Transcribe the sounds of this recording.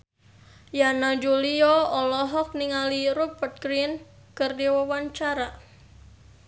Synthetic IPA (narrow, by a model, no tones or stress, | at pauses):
janad͡ʒuliɔɔlɔɦɔk̚niŋaliɾupət̪̚kɾin | kərdiwəwaɲt͡ʃaɾa